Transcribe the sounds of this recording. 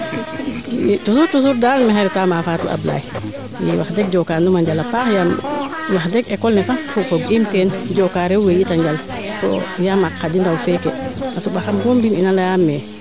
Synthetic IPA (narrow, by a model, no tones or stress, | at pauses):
tusuɾtus̬uɾdaːlmɛɦaɾɛtamafaːtṵʔa̰bla̰ːj | jɛ̰waxdɛɡ̚d͡ʒɔkanumaɲd͡ʒalapaːxjamwaxdɛɡɛkɔlnɛfafɔfɔɡimtɛnd͡ʒɔkaːɾɛwwejitaɲd͡ʒal | kɔ̰jamakːadindawfɛkɛʔasubaxambɔmbininalajamːɛ